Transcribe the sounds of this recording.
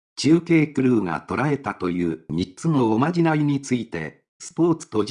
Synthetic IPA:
t͡ɕɨːke̞ːkɯ̟ɾɯ̟ːŋa̰t̪o̞ɾae̞t̪at̪o̞jɯːmʲitt͡sɨno̞ːmaʑinaiɲ̟it͡sɨit̪e̞̰ | sɨ̥po̞ːt͡sɨ̥t̪o̞

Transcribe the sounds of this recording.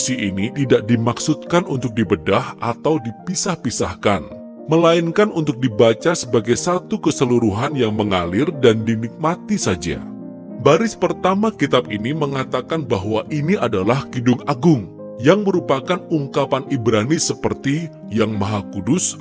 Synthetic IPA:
siinit̪idaʔ̚dimaksut̪̚kanʔunt̪ʊk̚dibədahat̪awdipisahpisahkan | məlainkanunt̪ʊk̚dibat͡ʃasəbaɡajsat̪ukəsəluɾuɦanjaŋməŋalɪrdandinik̚mat̪isad͡ʒa̰ | baɾɪspərt̪amakit̪ab̚iniməŋat̪akanbaɦwaʔiniadalahɡidʊŋaɡʊŋ | jaŋməɾupakanuŋkapanibɾanisəpərt̪i | jaŋmaɦakudʊs

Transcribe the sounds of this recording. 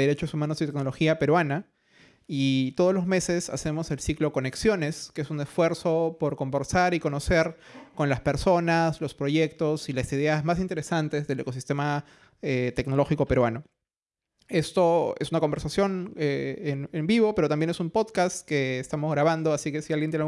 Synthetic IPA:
eɾe̞t͡ʃo̞sumanosit̪ekno̞lo̞xiape̞ɾwana | it̪oð̞olo̞zme̞se̞sa̰se̞mo̞se̞lsikloko̞neksjo̞ne̞skeesune̞sfwe̞ɾso̞po̞ɾko̞mbe̞ɾsaɾiko̞no̞se̞ɾko̞nlaspe̞ɾso̞naslo̞spɾo̞ʝe̞k̚t̪o̞silasiðe̞azmas̬int̪e̞ɾe̞sant̪e̞zðe̞le̞ko̞sist̪e̞ma | et̪ekno̞lo̞xiko̞pe̞ɾwano̞ | e̞st̪o̞e̞̰sunako̞mbe̞ɾsasjo̞neenembiβo̞peɾot̪ambje̞ne̞sumpo̞ðkast̪ke̞ːst̪amozɣɾaβ̞and̪o̞asike̞sialjent̪jen

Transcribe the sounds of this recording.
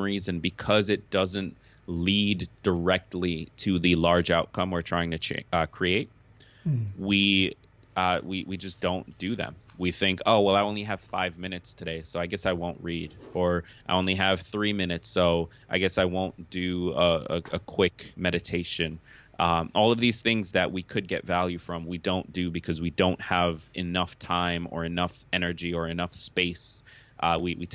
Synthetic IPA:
ɹizɨ̃nbɨkʰʌzɨt̚d̥ʌzɨ̃nt | lidd̥ə˞ɛk̚tʰˡliɾɨðɨlɑɹd͡ʒaʊt̚kʰʌ̃mwəɹtʰɹ̥aɪɪ̃ŋtʰɨt͡ʃʰɛ̰ʌkʰɹ̥ieɪt̚ | wi | ʌwiwid͡ʒʌsd̥õʊ̃nd̥ɨðɨ̰̃mwiθɪ̃ŋkʰo̰ʊwɛlˠaɪõʊ̃nliɨv̥faɪvmɪ̃ñɨtstʰɨɾeɪsoʊaɪɡɛsaɪwõʊ̃nʔɹiɾə˞aɪõʊ̃nliɨv̥θɹimɪ̃nɨtsoʊ | ʔaɪɡɛsaɪwõʊ̃nd̥ɨəə̰ɨ̰kʰw̥ɪkmɛɾɨtʰeɪʃɨ̃n | ʔʌ̃ʔɔlˠʌvðiz̥θɪ̃ŋzðɨʔwikʰɨd̚ɡɛtvælˠjʉfɹʌ̃mwidõʊ̃nd̥ɨbɨkʰʌzwidõʊ̃nt̚həvɨnʌftʰãɪ̃mə̰˞ɨnʌfɛnə˞d͡ʒiə˞ɨnʌfspeɪsʔʌwiwi

